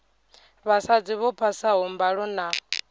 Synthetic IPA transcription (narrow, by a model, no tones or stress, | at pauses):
βasad͡ziβɔpʰasaɦɔmbaɺɔna